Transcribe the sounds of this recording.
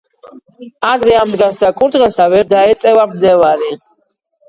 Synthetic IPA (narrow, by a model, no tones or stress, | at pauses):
ad̪ɾɛamd̪ɡaɾsakʼuɾd̪ʁɛsavɛɾd̪aɛt̪sʼɛvamd̪ɛvaɾi